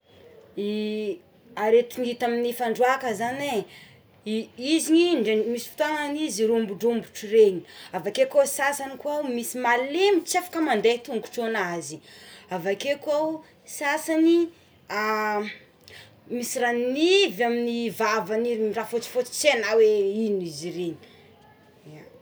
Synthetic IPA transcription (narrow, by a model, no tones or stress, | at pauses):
i | aɾet̪iŋit̪aminifaɳɖ͡ʐuakəzane | iziɲiɳmisi̥fi̥t̪aŋaniziɾumbuɖ͡ʐumbuʈ͡ʂireɲi̥avakekasasanikwawmisimalemit͡safḁkəmand̪et̪uŋɡu̥ʈ͡ʂonaziavakekwaw | sasani | a | misiranivaminivavaniimirafot͡si̥fot͡si̥t͡senaweinizireɲi̥ | a